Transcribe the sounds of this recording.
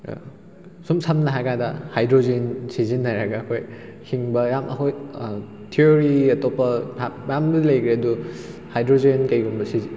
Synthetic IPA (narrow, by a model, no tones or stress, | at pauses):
sumsɐmnɐɦakadɐhajdɾozensizinːaɾɐɡɐːkʰojhʰiŋbɐjamʔɐkʰoj | tʰioɾiɐtɔpːɐajamdudilɐjkɾeɐduhajdɾozenkɐjɡumbɐsizi